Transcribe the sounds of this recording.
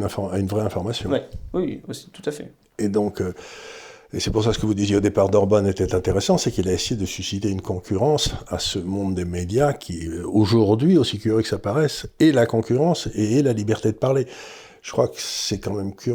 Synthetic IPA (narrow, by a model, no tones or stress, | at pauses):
nɛ̃fɔaynvʁɛɛ̃fɔʁmasjɔ̰̃wiwḭwsi̥t̪u̥t̪afɛ̰ | ed̪ɔ̃kø | esɛpuʁs̬asə̥kəvud̪izjeod̪epaʁd̪ɔʁbɔnet̪ɛt̪ɛ̃t̪eʁesɑ̃sɛkilaesejed̪əsysit̪eynkɔ̃kʰʲyʁɑ̃sa̰səmɔ̃d̪ːemed̪jakʲʰioʒuʁd̪ɥiosikyʁiksapaʁɛsɛlakɔ̃kʲyʁɑ̃seɛlalibɛʁt̪ed̪əpaʁle | ʒ̥ə̥kχwakə̥sɛkɑ̃mɛmkʲʰy